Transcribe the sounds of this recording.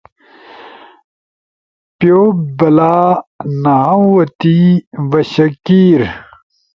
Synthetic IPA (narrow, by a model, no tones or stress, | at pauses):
pjobɐlaːnɐɦawɐt̪ivɐɕɐkiːɾ